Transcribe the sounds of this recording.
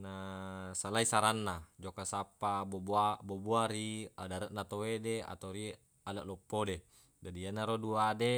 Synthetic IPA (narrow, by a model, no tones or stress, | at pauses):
nasalaisaɾanːad͡ʒokasapːaboboaboboaɾiadaɾaʔ̚nat̪owedea̰t̪oɾi | alaʔlɔpːode | d͡ʒadianːaɾoduade